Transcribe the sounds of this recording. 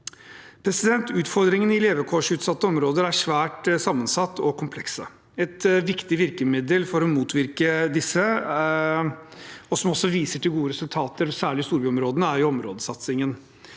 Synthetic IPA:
pʰɾɛsɪd̪ɛnt̪ʉːt̪fɔɾd̪ɾɪŋənɪleːʋəkʰoːʂʉːt̪sɑt̪ːəɔmɾoːd̪əɾæʂʋæːʈsɑmːənsɑt̪ːɔkʰʊmpʰlɛksə̰ | ɛt̪ʋɪkt̪ɪʋɪɾkəmɪd̪əlfɔɾɔmuːt̪ʋɪɾkəd̪ɪsːə | ɔsɔmɔsːɔʋiːsəʈʰɪlɡuːəɾɛsʉlt̪ʰɑːt̪əɾɔsæːɭɪst̪uːɾbyːɔmɾoːd̪ənəæɾjʊɔmɾoːd̪əsɑt̪sɪŋən

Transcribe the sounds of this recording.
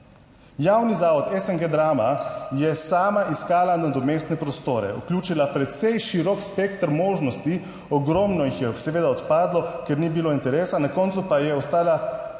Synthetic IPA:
jaːwnizaːʋɔt̪ɛsɛŋɡed̪ɾaːmajɛsaːmaʔiskaːlanad̪ɔmeːst̪nɛpɾɔst̪oːɾɛ̰ṵklʲjuːt͡ʃilapɾɛt̪sɛjʃiɾɔkspekt̪ɾmoːʒnɔst̪i | ɔɡɾɔːmnɔjixjɛsɛʋeːd̪aɔt̪paːd̪lɔkɛɾnibiloint̪ɛɾeːsanakɔːnsupajɛɔst̪aːla

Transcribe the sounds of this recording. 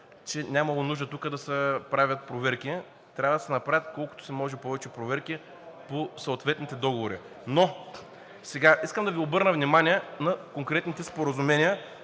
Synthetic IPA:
t͡ʃɛnʲamɐlˠonuʒd̪ət̪ukəd̪ɐsɛpɾavʲət̪̚pɾovɛɾki | t̪ɾʲavɐd̪ɐsɛnɐpɾavʲət̪kɔlˠkʊt̪o̥sɛmɔʒɛpɔvɛt͡ʃɛpɾovɛɾki | posɐːt̪vɛt̪nit̪ɛd̪ɔɡovoɾi | no | sɛɡaʔiskəmd̪ɐviobɤɾnəvnimanʲiɛnɐkoŋkɾɛt̪nit̪ɛspoɾɐzumɛniə

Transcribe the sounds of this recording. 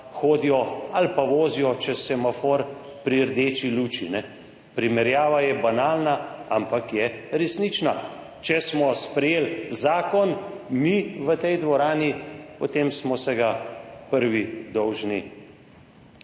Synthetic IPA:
xoːd̪ijɔalpaʋoːzijɔt͡ʃɛsɛmafoɾ | pɾiəɾd̪eːt͡ʃiluːt͡ʃinɛ | pɾimɛɾjaːʋajɛbanaːlnaampakjɛɾɛsnit͡ʃna | t͡ʃɛsmɔspɾɛjeːlzaːkɔnmiʋət̪ɛjd̪ʋɔɾaːnipɔt̪emsmɔsɛɡapəɾʋid̪ɔwʒni

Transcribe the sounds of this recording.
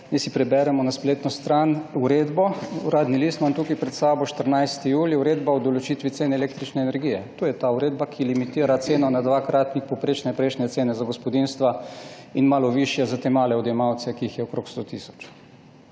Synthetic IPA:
nɛsipɾɛbɛɾɛmɔnaspleːt̪nɔst̪ɾanuɾeːd̪bɔuɾaːd̪niliːst̪mant̪ukajpɾɛt̪sabɔʃt̪əɾnajst̪ijuːljiuɾeːd̪baɔd̪ɔlɔt͡ʃit̪ʋit̪seːnɛleːk̚t̪ɾit͡ʃnɛːnɛɾɡijɛt̪oːjɛt̪aːuɾeːd̪bakʰilimit̪iːɾat̪seːnɔnad̪ʋakɾʔaːt̪nixpɔpɾeːt͡ʃnɛpɾɛʃnjɛt̪seːnɛzaɡɔspɔd̪inst̪ʋainmaːlɔʋiʃjɛzat̪emaːlɛɔd̪jɛmaw̪sɛkiːxjɛɔkɾokst̪ot̪isɔ̥t͡ʃ

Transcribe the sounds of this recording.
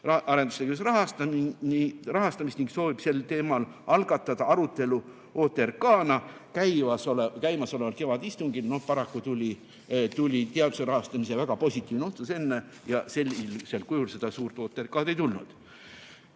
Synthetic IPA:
ɑɑɾend̪̥usekysrɑɦɑst̪ɑmiirɑɦɑst̪ɑmist̪niŋɡkso̞ːvib̥se̞lt̪e̞ːmɑlɑlɡ̥ɑt̪ːˑɑd̪̥ɑɑɾut̪ːˑe̞lu | o̞ːt̪ːˑe̞rkɑːnɑkæjvɑsolekæjmɑso̞le̞vɑlke̞vɑd̪ist̪uŋɡilno̞pɑɾɑkːut̪ulʲi | t̪ulʲit̪eɑd̪u̥seɾɑhɑst̪ɑmise̞væɡ̥ɑpo̞sʲit̪ːˑiːvneo̞t̪suse̞nːe | jɑse̞lʲːilselkujulsed̪̥ɑsuːrt̪ˑo̞ːt̪ːˑeɾikːɑːd̪e̞jt̪ulnṵd̪̥

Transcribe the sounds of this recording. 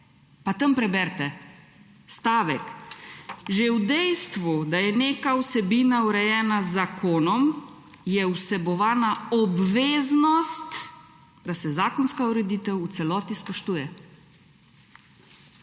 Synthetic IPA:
pat̪əmpɾɛbɛɾt̪ɛ | st̪aːʋɛk | ʒewd̪ɛjst̪ʋud̪ajɛneːkawsɛbiːnauɾɛjɛːnazːakʰoːnɔm | jɛusɛbɔʋaːnaɔbʋeːznɔst̪ | d̪asɛzaːkɔnskauɾɛd̪iːt̪ɛwut̪sɛlɔːt̪ispɔʃt̪uːjɛ

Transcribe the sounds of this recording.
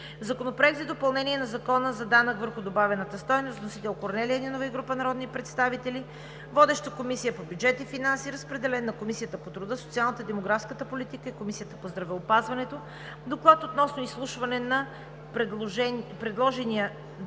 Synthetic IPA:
zɐkonopɾoɛkzɛd̪opɐlˠnɛniɛnɐzɐkɔnəzɐd̪anəkvəɾxʊd̪obavɛnət̪əst̪ɔjnost̪nosit̪ɛlˠkoɾnɛliəɛd̪inovɐiɡɾupənɐɾɔd̪nipɾɛt̪st̪avit̪ɛli | vɔd̪ɛʃt̪əkomisijəpobʲjud͡ʒɛt̪ifinansiɾəspɾɛd̪ɛlɛnːɐkomisijət̪əpot̪ɾʊd̪ɤsot̪sialˠnət̪əid̪ɛmoɡɾafskət̪əpolit̪ikəikomisijət̪əpozd̪ɾɐvɛopazvɐnɛt̪o | d̪oklˠat̪ot̪nɔsnoislˠuʃvɐnɛnɐ | ɛpɾɛd̪lˠɔʒɛniə

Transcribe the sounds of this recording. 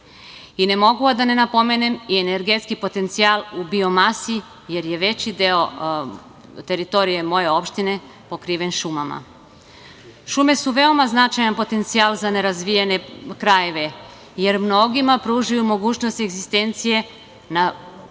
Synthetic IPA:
ine̞mo̞ɡuad̪ane̞napo̞me̞ne̞miene̞ɾɡet̪skipo̞t̪e̞nt̪sialubio̞masi | je̞ɾje̞ʋe̞t͡ɕid̪eo̞ | t̪e̞ɾit̪o̞ɾije̞mo̞je̞o̞pʃt̪ine̞ | po̞kɾiːʋe̞nʃumama̰ | ʃume̞suʋe̞o̞maznat͡ʃajanpo̞t̪e̞nt̪sialzane̞ɾazʋijene̞kɾaje̞ʋe̞ | je̞ɾmno̞ɡimapɾuʒajumo̞ɡuːt͡ɕno̞st̪eɡzist̪e̞nt̪sije̞ | na

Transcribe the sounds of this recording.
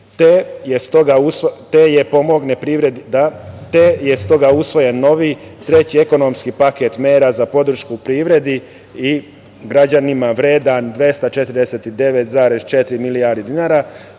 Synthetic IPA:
t̪ejest̪oɡaust̪eje̞po̞mo̞ɡnepɾiːʋɾed̪id̪at̪eje̞st̪o̞ɡausʋo̞je̞nːo̞ʋit̪ɾe̞t͡ɕie̞ko̞no̞mskipaket̪meːɾazapo̞d̪ɾ̩ʃkuːpɾiːʋɾe̞d̪i | i | ɡɾad͡ʑanimaʋɾe̞ːd̪and̪ʋe̞st̪at͡ʃe̞t̪ɾd̪eset̪id̪e̞ʋet̪zaːɾe̞z̥t͡ʃe̞t̪ɾimilijaɾd̪id̪inaɾa

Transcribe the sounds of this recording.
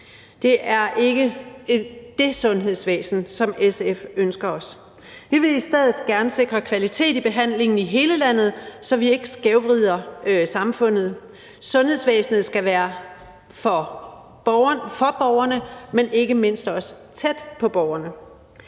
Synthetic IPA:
d̥e̝ʔæɐʔe̝ɡ̥əe̥d̥e̝sɔ̽nɦe̝ð̞ˠsʋḛːsn̩sɒ̽mesefønsɡ̥ɐɒ̽s | ʋiʋe̝isd̥eð̰ˠð̩ˠɡ̥æɐnəse̝ɡ̥ʁɐkʰʋælit͡sʰe̝̰ːdib̥e̝ɦæn̰le̝ŋn̩iɦe̝ːləlæn̰ð̞̩ˠsɒ̽ʋie̝ɡ̥əsɡ̥eʊʋʁiðˠɐsɑ̈mfɔ̽n̰ð̞̩ˠ | sɔ̽nhe̝ð̰ˠsʋḛːsn̩ð̞̩ˠsɡ̥æʋæːɐ | fɒ | b̥ɐfɒ̽b̥ɒʊɐnəmene̝ɡ̥əme̝n̰sd̥ɒ̽s | t͡sʰed̥pʰɒ̽b̥ɒʊɐnə

